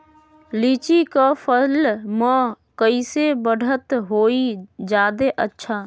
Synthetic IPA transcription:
liːt͡ʃikapʰəlmə̃ | kəisebəɽʱət̪ɦoːid͡ʒaːd̪eʔətːʃʰaː

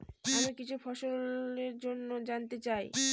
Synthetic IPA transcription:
amikit͡ɕʰufɔʃoleɾd͡ʑonːod͡ʑant̪et͡ɕaj

